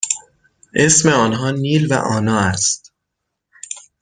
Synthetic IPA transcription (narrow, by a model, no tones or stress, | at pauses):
ʔe̞sme̞ɒːnɦɒːniːlvæ̰ʔɒːnɒːæst̪